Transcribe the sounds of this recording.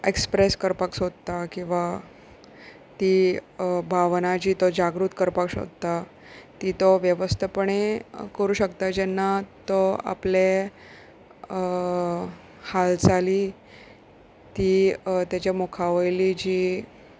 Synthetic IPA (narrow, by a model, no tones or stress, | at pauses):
ekspɾeskəɾpaksod̪t̪akĩw̃ʋa | t̪iːbʱaʋnad͡ʑiːt̪ɔd͡ʑaɡɾut̪kəɾpaksɦo̰d̪̚t̪a | t̪it̪ɔʋjəʋəst̪ʰəpəɳekəɾuːɕəkt̪ad͡ʑɛnːat̪ɔa̰ple | halt͡saliː | t̪iːt̪jat͡ɕamokʰaʋəjlid͡ʑiː